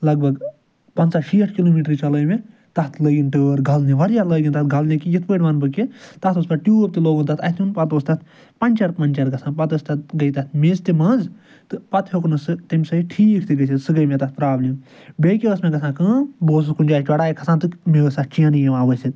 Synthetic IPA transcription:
lɐɡ̚bʱɐɡ | pɐnsaʃiːʈʰkiloːmiːʈɾit͡ʃɐləːjmẽ | t̪ɐt̪ʰləːɡʲinʈəːɾɡʱɐlniʋɐɾjaləːɡʲint̪ɐt̪̚ɡʱɐlnʲĩkijit̪ʰpəːʈʲʋɐnbɨket̪ɐt̪oːspɐʈʈʲjuːp̚t̪iloːɡɨnt̪ɐt̪ʰɐt̪ʰunpɐt̪oːst̪ɐt̪ | pɐnʲt͡ʃɐɾpɐnʲt͡ʃɐɾɡɐsãːnpɐt̪əst̪ɐt̪ɡɐjt̪ɐt̪ʰmeːst̪imɐ̃ːnz | t̪ɨpɐt̪ʰhoknɨsɨt̪imʲsɐiʈʰiːkʰt̪iɡɐsisɨɡɐjmẽt̪ɐt̪̚pɾaːblʲim | beːkʲeəsmẽɡɐsʰãːkɨ̃ːboːs̬ɨkunʲt͡ʃaːt͡ʃʲɐɽaːjikʰɐsãːnt̪ɨmeəsɐt͡ʃijãnijemaːʋəsit̪

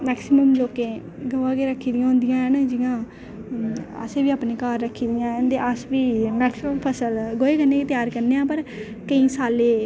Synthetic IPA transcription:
mɛːksɪməmloːkẽː | ɡəʋãːkeːɾəkʰːiːd̪ɪjãːɦʊ̃nd̪ɪjãːɛːnd͡ʒɪjãː | ə̰seːʋiːaːpneːkaːɾːəkʰːiːd̪ɪjãːd̪eːʔəsʋiːmɛːksməmpʰəsəlɡoːeːkəneːket̪ɪjaːɾkəɾneːãːpəɾ | kəĩːsaːleː

